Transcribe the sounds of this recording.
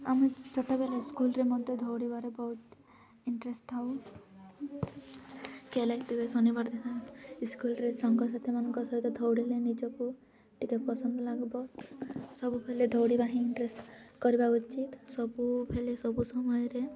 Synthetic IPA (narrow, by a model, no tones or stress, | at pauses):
amit͡ʃɔʈɔbelaiskulɾemɔd̪ed̪ʱɔwɽibaɾebɔɦut̪ | iɳʈɾesʈt̪ʰaw | kelait̪ebesɔnibaɾd̪ʱek̪ʰaiskulɾesɔŋɡɔsat̪ʰemanɔŋkɔsɔɦit̪ɔd̪ʱɔwɽilenid͡ʒɔku | ʈikeʈ̚pɔsɔnd̪ʱɔlaɡbɔ | sɔbupʰeled̪ʱɔwɽibaɦĩiɳʈɾesʈkɔɾibaut͡ʃit̪sɔbupʰelesɔbusɔmɔjɔɾe